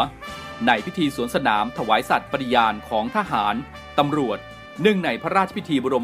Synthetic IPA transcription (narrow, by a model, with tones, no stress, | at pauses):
na˧jpʰi˦˥t̪ʰiː˧su˩˦ənsa˧naː˩˦mt̪ʰa˧waː˩˦jsa˨˩t̪̚pa˧ɾi˧˩jaː˧nkʰɔː˩˦ŋt̪ʰaː˧ɦaː˩˦n | t̪a˧mɾu˨˩ət̪̚ | nɯ˥˩ŋna˧jpʰɾa˦˥ɾaː˥˩t̪̚t͡ɕʰa˧pʰi˦˥t̪ʰiː˧bɔː˧ɾo˧